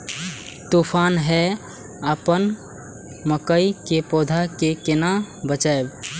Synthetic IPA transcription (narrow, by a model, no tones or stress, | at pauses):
t̪upʰanɦɛ | əpən | məkəikepod̪ʱakekenabət͡ʃaeb